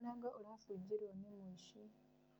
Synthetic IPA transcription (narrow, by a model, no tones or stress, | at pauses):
naŋɡaʔolafuɟiɾwanemuiʃi